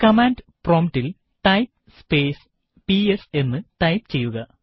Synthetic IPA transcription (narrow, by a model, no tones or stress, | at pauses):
kɐmaːnɖproːmʈil | ʈɐjp̚ | speːs | piese̞nmːɨʈ̪ɐjpt͡ɕe̞jːuɣɐ